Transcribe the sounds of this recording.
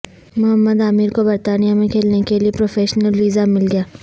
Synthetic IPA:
mʊɦəmːəd̪aːmiːɾkobɐɾt̪aːnijamẽkʰeːlnekeliepɾoːfeːʃnəlʋiːzamɪlɡɐjaː

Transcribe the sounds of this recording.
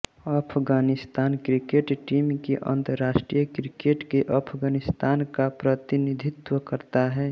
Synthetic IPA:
əpʰɡaːnɪst̪aːnkɾɪkeːʈʈiːmkeʔə̰̃nt̪əɾːaːʃʈɾijəkɾɪkeːʈkeʔɐpʰɡaːnɪst̪aːnkapɾət̪ɪnɪd̪ʱɪt̪wəkəɾt̪aɦɛː

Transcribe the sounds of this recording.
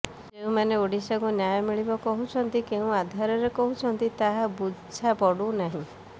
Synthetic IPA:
eũmaneoɽisakunjajɔmiɭibɔkɔɦut͡ʃʰɔnt̪ikeũad̪ʱaɾɔɾekɔɦut͡ʃʰɔnt̪it̪aɦabud͡ʒʰʱapɔɽunaɦĩ

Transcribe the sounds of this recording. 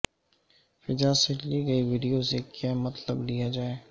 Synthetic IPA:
fɪd͡ʒaːseliɡɐiʋiːɖijozeːkjaːmɐt̪ləblijad͡ʒaːeː

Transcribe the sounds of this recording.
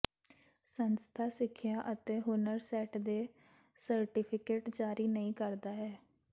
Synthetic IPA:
sənst̪ʰaːsɪkʰːjaːʔət̪eːɦʊnəɾsɛːʈd̪eː | səɾʈɪpʰɪkeːʈd͡ʒaːɾiːnəĩːkəɾd̪aːɦɛː

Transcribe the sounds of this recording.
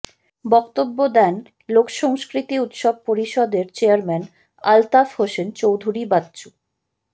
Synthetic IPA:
bɔkt̪obːod̪ɛn | lokʃɔŋskɾit̪iut̪ʃɔb̚poɾiʃɔd̪eɾt͡ɕeaɾmɛn | a̰lt̪afhoʃent͡ɕowd̪ʱuɾibad̪t͡ɕu

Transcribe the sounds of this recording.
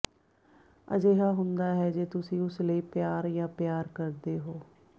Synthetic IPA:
ə̰d͡ʒeːɦaːɦʊnd̪aːɦɛːd͡ʒeːt̪ʊsĩːʊsləiːpjaːɾjãːpjaːɾkəɾd̪eːɦoː

